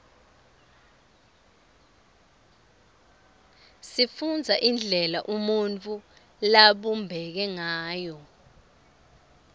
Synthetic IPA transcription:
sifund͡zʱaʔind͡ɮʱɛlaʔumunt͡fʰʼu | laɓumbʱɛk̬ɛŋaːjɔ

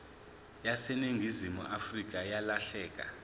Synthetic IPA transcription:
jasɛneŋɡʱizimṵʔafrik̬ʼajalaɬɛːk̬ʼa̰

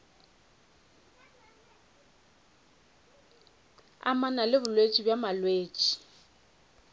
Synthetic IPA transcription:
a̰manalɪbʊlwet͡ʃʼibjamalweːt͡ʃʼi̥

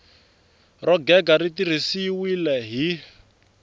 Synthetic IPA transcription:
rɔɡɛɡaɾitir̤isiwilɛɦi

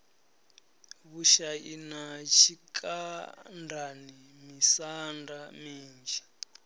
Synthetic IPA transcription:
βuʃainat͡ʃʰikʰʼandʱanimisandamiːnd͡ʒi

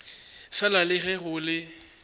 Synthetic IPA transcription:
fɛlalɪɣɛɣʊlɪ

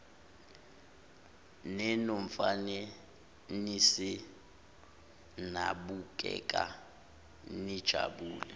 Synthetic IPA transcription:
nɛnoɱ̩fanɛ | nisi | naɓuk̬ʼɛ̰kʼa̰ | nid̥ʒ̥ʱa̰ɓuːlɛ

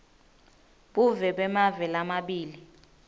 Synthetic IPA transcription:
ɓuvɛɓɛmavɛlamaɓiːli

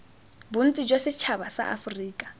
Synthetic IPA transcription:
bun̩t͡sʼid͡ʒosɪt͡ʃʰaβasa̰ʔa̰friːkʼḁ

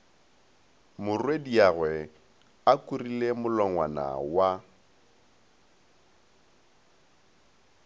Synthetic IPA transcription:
mʊrwediaɣwɛ | akʼurilemʊlɔŋwa̰na̰wa

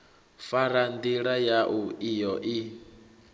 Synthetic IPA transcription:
faɾand̪iɺajaʔuijɔʔi

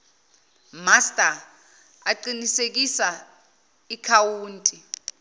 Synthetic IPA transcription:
mastʼa | aǃinisek̬isa | ikʰawuːntʼi

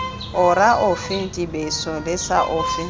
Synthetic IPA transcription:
ʊɾaʔʊfɪn̩tʼibeisɔlɪsaʔʊfɪ

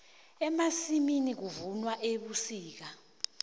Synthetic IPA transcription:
ɛmasiminik̬uvunwaʔeɓusiːk̬a

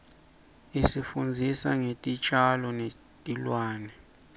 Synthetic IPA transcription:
isifund͡zʱisa̰ŋetʼit͡ʃʼalɔne | tʼilwaːnɛ

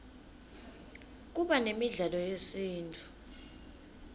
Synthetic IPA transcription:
k̬ʼuɓanemiɮalɔjesiːntʼu̥

